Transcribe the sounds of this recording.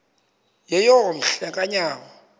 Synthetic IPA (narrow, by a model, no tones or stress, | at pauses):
jɛjɔn̩ɬɛkʼaɲaːmɔ